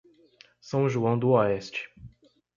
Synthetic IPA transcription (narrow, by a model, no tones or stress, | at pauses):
sɐ̃w̃ʒuɐ̃w̃d̪ʊɔɛst͡ʃɪ̥